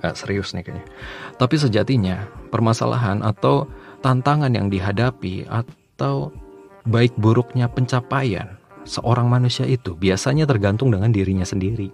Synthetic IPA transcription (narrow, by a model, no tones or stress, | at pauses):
əsəɾiʊsnɪkaɲa | t̪apis̬əd͡ʒat̪iɲapərmasa̰lʔa̰ɦanʔat̪awt̪ant̪aŋanja̰ŋdiɦadapḭa̰t̪aw | baɪk̚buɾʊk̚ɲapəɲt͡ʃapaja̰n | səʔoɾaŋmanusiaʔit̪ubiasaɲat̪ərɡant̪ʊŋdəŋandiɾiɲasəndiɾi